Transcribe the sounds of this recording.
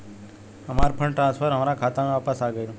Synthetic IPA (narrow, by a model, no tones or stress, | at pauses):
əmaɾpʰəɳʈɾãnsfʰəɾɦəmaɾakʰat̪anũapəsaɡəjnũ